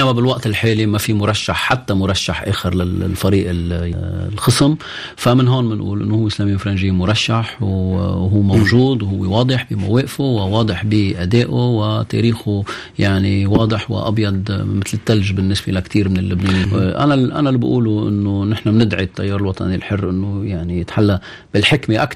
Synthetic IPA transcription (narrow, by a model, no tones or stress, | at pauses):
namːabɪlwaʔt̪ɪlħeːlimafimʊɾˤɑʃːaħħat̪ːamʊɾˤɑʃːaħʔḛːxɪɾlallfaɾiːʔɪ | lxɨsɪm | famɪnɦoːnmɪnʔṵːlʔɪ̰nːohʊwːʔɪslaːmijːwfɾˤɑnʒɪːmʊɾˤɑʃːaħwɦuːmawʒuːd̪whʊwːewɑːd̪ˤɨħbimaweːʔfowɪwɑːd̪ˤɨħbiʔad̪eːʔowɪt̪ḛɾiːxʊ | jaʕniwɑːd̪ˤɨħwɪ̰ʔa̰bjɑd̪ˤmɪt̪lɪt̪ːalʒbɪnːɪsbḛlakt̪iːɾmɪnɪlːʊbneːnʔa̰naʔa̰nalbʔṵːluʔɪ̰nːonɪħnamnɪd̪ʕit̪ːa̰jːɑːɾˤɪlwɑt̪ˤɑ̰nilħʊrːʔɪnːojaʕnijɪt̪ħalːa | b̥ɪlħɪkmeʔak